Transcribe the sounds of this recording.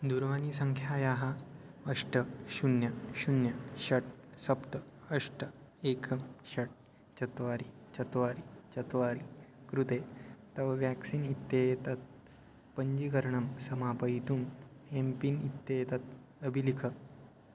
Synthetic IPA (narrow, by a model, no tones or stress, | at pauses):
d̪uɾʋanisəŋkʰjajaɦa | əʂʈəɕunjaɕunjaɕɐʈ̚sɐpt̪əəʂʈə | ekʰɐmɕɐʈ̚ | t͡ʃɐt̪ʋaɾit͡ɕɐt̪ʋaɾit͡ɕɐt̪ʋaɾikɾut̪et̪ɐʋʋæksiːnit̪ːjejet̪at̪̚ | pəɲd͡ʑikəɾɳɐmsɐmapəit̪umempinit̪ːeet̪at̪̚ | əbʱilikʰə